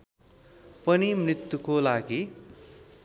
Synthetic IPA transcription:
pʌnimrit̪jukolaɡi

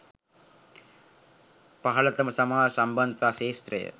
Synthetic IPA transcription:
pɐɦɐɭɐt̪ɐmɐsɐmaːɐsɐmbɐnd̪ʱaːʃeːst̪ɾɐ̰jɐ̰

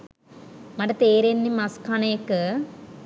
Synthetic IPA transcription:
mɐɖɐt̪eːɾenːimɐskʰanekːɨ

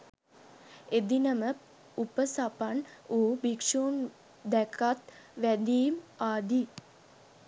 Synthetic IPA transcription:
ed̪inəmə | upəsapanoːbikʂuːn | d̪ækat̪ʋæd̪iːmaːd̪i

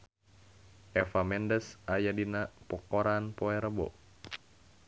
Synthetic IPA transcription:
ʔɛfamɛndəsajadinapɔkoɾanpoɛɾəbɔ̰

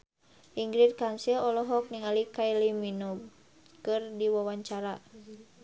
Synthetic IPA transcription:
ʔiŋɡɾit̪̚kansilɔlɔɦɔk̚niŋalikailiminɔ | kɨrdiwawaɲt͡ʃaɾa

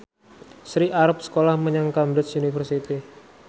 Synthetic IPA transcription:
sɾiʔaɾap̚sə̥kolahməɲaŋkamɾəsunifərsit̪i

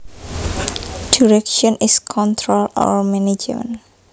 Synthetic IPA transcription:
d̥iɹɛkʃɔ̃niskʰɔ̃nt̪ʰɹolɔ̰ɹmɛnid͡ʒ̰mə̰̃n

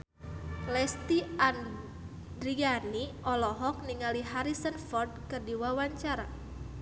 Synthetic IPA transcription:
lɛst̪ian | dɾianiʔɔlɔɦɔk̚niŋaliɦaɾisənfɔrd̚kɨrdiwawaɲt͡ʃaɾa

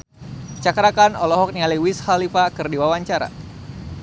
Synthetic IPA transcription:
t͡ʃakɾakanɔlɔɦɔk̚nialiwisxalifakɨrdiwawaɲt͡ʃaɾa̰

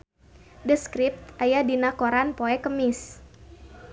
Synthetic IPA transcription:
dəskɾip̚t̪ʔajadinakoɾanpoɛkəmɪs

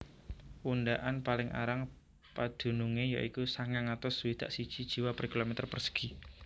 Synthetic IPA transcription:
unɖaʔanpalɪŋʔa̰ɾaŋ | pad̪̥ṳnuŋeja̰ʔikusaŋaŋat̪ɔswid̪̥a̰ʔsid̥ʒ̥id̥ʒ̥i̤wapərkilomɛt̪ərpərsə̥ɡ̥i

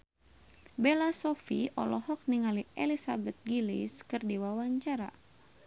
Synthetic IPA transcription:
bɛlasɔfḭʔɔ̰lɔhɔk̚niŋaliʔɛlisabɛt̪̚ɡiliskɨrdiwawaɲt͡ʃaɾa̰

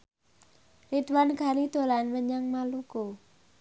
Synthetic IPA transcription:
rid̪wanɡ̥a̤nid̪̥o̤lanməɲaŋmaluɡ̥o

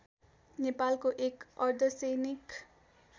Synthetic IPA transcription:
nepalkoʔekʌrd̪ʱʌsejnik

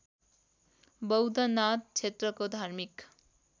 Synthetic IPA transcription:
bʌwd̪ʱʌnat̪̚t͡sʰet̪rʌkod̪ʱarmik

